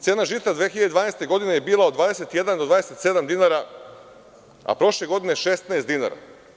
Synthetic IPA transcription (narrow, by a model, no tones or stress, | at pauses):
t̪sjeːnaʒit̪ad̪ʋeːxiʎad̪ed̪vaːnest̪e̞ɡo̞d̪ine̞jebiːlˠaod̪ʋaːd̪eset̪je̞d̪and̪o̞d̪ʋaːd̪eset̪se̞d̪amd̪inaɾa | a̰pɾo̞ʃle̞ɡo̞d̪ineʃest̪naest̪ina̰ɾa̰